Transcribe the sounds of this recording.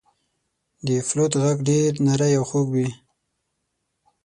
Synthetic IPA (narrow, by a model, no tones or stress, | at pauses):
d̪əflot̪ɣaɡɖeɾnaɾajawxoɡwi